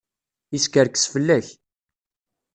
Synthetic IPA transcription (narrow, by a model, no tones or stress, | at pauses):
iskəɾkə̥sfəlːæç